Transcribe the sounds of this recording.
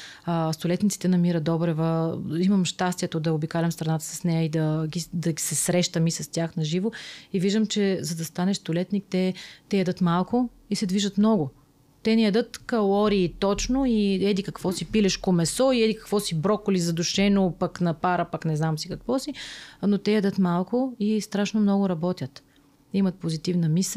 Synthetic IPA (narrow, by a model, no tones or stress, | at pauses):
ast̪olɛt̪nit̪sit̪ɛnɐmiɾəd̪ɔbɾɛvəimɐmʃt̪ast̪iɛt̪od̪ɐobikalʲɐmst̪ɾɐnat̪ə̥sɐ̥snɛjəid̪ɐɡid̪ɐɡisɛsɾɛʃt̪əmisɐst̪ʲjaxnɐʒivoiviʒd̪əmt͡ʃɛzɐd̪ɐst̪anɛʃst̪olɛt̪nik̚t̪ɛt̪ɛjɛd̪ət̪malˠkʊ | isɛd̪viʒət̪mnɔɡʊ | t̪ɛnɛjɐd̪ət̪kɐlˠɔɾiːt̪ɔt͡ʃnoiɛd̪ikɐkvɔsipilɛʃkomɛsɔiɛd̪ikɐ̥kvɔsibɾɔkʊlizɐd̪ʊʃɛnopɐknɐpaɾəpaknɛznamsikɐkvɔsinot̪ɛjɛd̪ət̪malˠkʊist̪ɾaʃnomnɔɡʊɾɐbɔt̪ʲjət̪ | imɐt̪̚pozit̪ivnɐmis